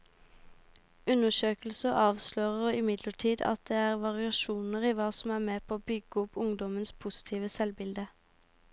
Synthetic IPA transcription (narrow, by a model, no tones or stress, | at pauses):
ʉnəʃøːkl̩səʔɑːʋsløːʁəʁɪmɪd̪ləʈʰiːd̪ɑ̰t̪̚d̪eːæːʁʋɑʁɪɑʃuːnəʁiːʋɑːsɔmæːʁmeːpʰoːoːbʏɡəʊpʰʊŋd̪ɔmənspʰʊsɪ̥t̪ʰiːʋəsɛlbɪld̪ə